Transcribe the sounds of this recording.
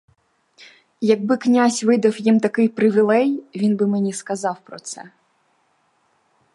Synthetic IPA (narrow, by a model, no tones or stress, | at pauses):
jɐɡ̚bɪknʲazʲʋɪd̪ɐwjimt̪ɐkɪjpɾɪʋʲilˠɛjʋʲinbɪmenʲiskɐzɑwpɾɔt̪sɛ̰